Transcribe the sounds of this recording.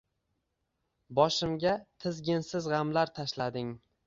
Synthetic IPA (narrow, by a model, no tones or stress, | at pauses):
bɒʃɪmɡʲat̪ʰɪzɡʲɪnsɪzʁɑmlaɾt̪ʰaʃlad̪ɪŋ